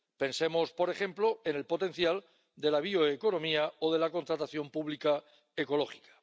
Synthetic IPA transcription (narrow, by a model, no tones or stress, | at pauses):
pe̞nse̞mo̞spo̞ɾe̞xe̞mplo̞ene̞lpo̞t̪e̞n̟θjal | d̪e̞laβ̞ioeko̞no̞miaoð̞e̞lako̞nt̪ɾat̪aθjo̞mpuβlika | eko̞lo̞xi̥kḁ